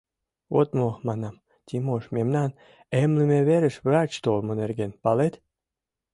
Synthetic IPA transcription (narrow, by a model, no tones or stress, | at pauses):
βo̰t̪momɑnɑm | t̪ʲimoʃmʲemnɑn | emlɘ̆mʲeβeɾɘ̆ʃβɾɑt͡ɕt̪olmonerɡenpɑlet̪